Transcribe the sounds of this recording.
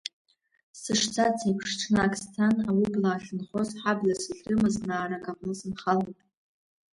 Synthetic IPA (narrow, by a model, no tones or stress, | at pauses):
sɨʂt͡sʰat͡sʰapʰʂʈ͡ʂʰnakʼstʰanawiblaːɬɨnχozħablasɨɮrɨmɨznaːɾakʼaqʼnɨsɨnχalapʼ